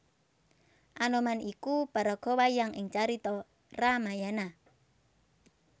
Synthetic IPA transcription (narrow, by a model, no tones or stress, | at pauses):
ʔanɔmanikub̥a̤ɾɔɡ̥ɔ̤wajaŋɪŋt͡ʃaɾit̪ɔ | ramajana